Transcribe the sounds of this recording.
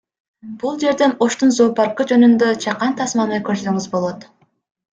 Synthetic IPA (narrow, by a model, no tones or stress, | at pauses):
b̥ulˠd͡ʒe̞ɾd̪e̞no̞ʃt̪unzo̞ːpɑɾqɯd͡ʒø̞nynd̪øt͡ʃʰɑqɑnt̪ʰɑsmɑnɯkø̞ɾsøŋyzbo̞lˠo̞t̪